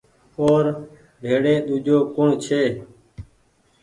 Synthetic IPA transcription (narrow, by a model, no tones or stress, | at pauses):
oːɾ | ɖʱeːɽeːɗ̪uːd͡ʒʱoːkʊɳt͡ʃʰeː